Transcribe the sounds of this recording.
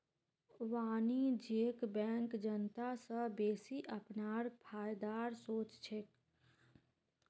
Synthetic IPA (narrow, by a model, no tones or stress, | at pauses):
ʋaːnid͡ʒeːkbɛ̃ːŋkd͡ʒənt̪asə̃beːsiʔəpnaːɾpʰaːjd̪aːɾsoːt͡ʃt͡ʃʰek